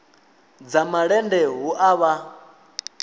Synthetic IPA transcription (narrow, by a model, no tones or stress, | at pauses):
d͡zamaɺɛndɛɦuʔaβa